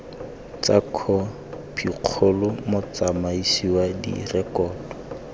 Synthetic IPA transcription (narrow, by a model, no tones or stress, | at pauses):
t͡sakʰɔ | pʰiq͡χʰʊlʊmʊt͡samaisiwadḭrɛkɔːdɔ